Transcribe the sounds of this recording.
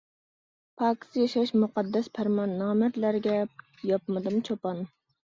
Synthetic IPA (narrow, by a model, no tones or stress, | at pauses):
pʰɑːkʲi̥st̪jɑʃɑʃmuqɑd̪ːɛspʰæɾmɑnːɑːmæt̪læɾɡʲɛ | jɑpmɨd̪ɨmt͡ʃʰopɑn